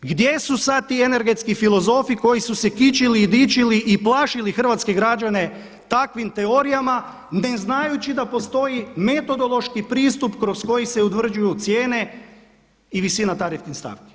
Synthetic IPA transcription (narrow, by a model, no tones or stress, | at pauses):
ɡd̪je̞susad̪̚t̪ːiːene̞ɾɡet̪skifilo̞zo̞fiko̞jisuse̞kit͡ʃiliːd̪it͡ʃiliʔiplˠaʃilixr̩ʋat̪ske̞ɡɾad͡ʒane̞ | t̪akʋimt̪e̞o̞ɾijama | ne̞znajut͡ɕid̪apo̞st̪o̞jime̞t̪o̞d̪o̞lˠo̞ʃkipɾiːst̪upkɾosko̞jiseut̪ʋr̩d͡ʒujut̪sje̞ːne̞ | iʋisinat̪aɾift̪inst̪a̰ʋki̥